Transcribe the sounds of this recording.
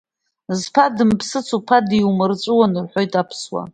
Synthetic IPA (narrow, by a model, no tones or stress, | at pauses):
zpʰadɨmpʰsɨt͡sʰupʰadiwmɨrt͡ʃʷʼɨwanɨrħʷo̞jtʼapʰswa̰